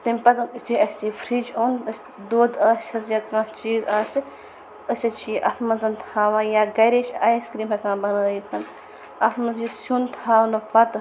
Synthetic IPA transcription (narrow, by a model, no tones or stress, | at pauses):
t̪ɐmʲpɐt̪t͡ʃiɐsʲipʰɾiːd͡ʒoːnəsʲ | d̪oːd̪ɐːsʲsʰɐzjɐt̪kãːst͡ʃiːzɐːs | əsʲɐt͡ʃʰiʔɐt̪ʰmɐnzɐnt̪ʰaːʋãːjaːɡɐjɾeːʃʲɐːjiskɾiːmɦɐkãːbɐnəːjit̪ʰɐn | ɐt̪ʰmɐnzisunt̪ʰaːwnɐpɐt̪